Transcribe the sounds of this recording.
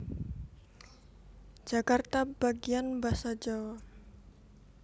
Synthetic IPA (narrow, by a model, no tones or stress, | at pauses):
d͡ʒ̥akart̪ab̥aɡianbasad͡ʒawa